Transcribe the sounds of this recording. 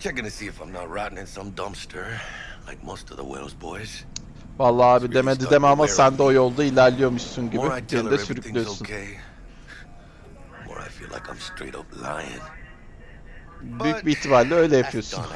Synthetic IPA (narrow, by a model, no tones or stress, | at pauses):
t͡ʃʰɛɡʌnɨsiɨfãɪ̃mnət̚ɹɑʔn̩ɨ̃nsʌ̃mdʌ̃mstʰə˞ | lˠaɪk̚moʊstʌvðə̰wɛ̰lˠzbɔɪz̥ | valˠːaːaːbid̪emed̪id̪emamasænd̪ɛo̞jolˠd̪ailʲæɾlʲijo̞muʃsunɟibɪdeɾid̪ɛsyɾylʲˠyjosunʰeɪ | mɔ̰ɹa̰ɪfḭlˠʔa̰ɪkã̰ɪ̃mstɹ̥ḛɪɾʌ̰pla̰ɪɪ̰̃ŋ | byjyc̚biːt̪ʰibalʲːɛø̞jlʲɛjaɯjo̞sn